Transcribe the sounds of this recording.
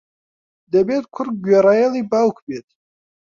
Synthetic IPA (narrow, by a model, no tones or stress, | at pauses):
d̪əbeːt̪̚kʰʊɾ̚ɡɥeɾajelibawkʰbet̪̚